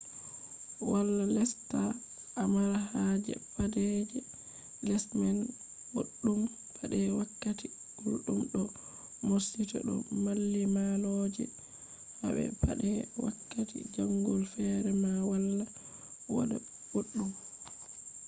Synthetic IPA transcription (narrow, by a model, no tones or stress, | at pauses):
walːalɛsta | ʔːmaɾaɦad͡ʒɛ̰padɛd͡ʒɛ | lɛsman | boɗːum | pʰaɗɛwakːati | bulɗumɗɔ | moɾsitɔ̰ɗɔ̰malːimalod͡ʒɛ̰ | haɓɛ̰paɗɛwakːatḭd͡ʒaŋɡɔlfɛɾɛmawalːa | wɔ̰dɛ | boɗːum